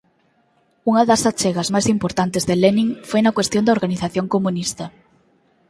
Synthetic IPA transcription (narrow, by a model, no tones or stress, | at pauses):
uŋɐðɐsat͡ʃeɣɐzmajsimpoɾt̪ant̪ezðelenĩŋfojnɐkwest̪jond̪ɐoɾɣaniθaθjoŋkomunist̪ɐ